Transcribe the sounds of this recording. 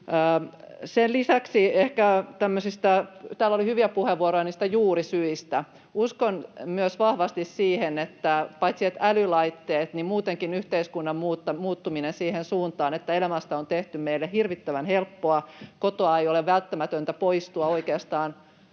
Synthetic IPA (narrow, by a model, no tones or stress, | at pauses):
əː | senlisæksiehkæt̪æmːøsist̪æt̪æːlːolihyʋiæpuheʋʋuoɾojɑniːst̪æjuːrisyist̪æ | uskonmyøsʋɑhʋɑst̪issiːhenet̪ːæpɑit̪siɑt̪ælylɑit̪ːeːt̪nimmuːt̪eŋkinyht̪eiskunːɑmmuːt̪ːɑmuːt̪ːuminensiːhensuːnt̪ɑːnet̪ːæelæmæst̪æont̪eht̪ymmeilːehirʋit̪ːæʋænhelpːoɑkot̪oɑejoleʋʋælt̪ːæmæt̪ønt̪æpoist̪uɑoikeɑst̪ɑːn